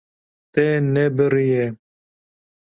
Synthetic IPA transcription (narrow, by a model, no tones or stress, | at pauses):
t̪ɛnɛbɨɾije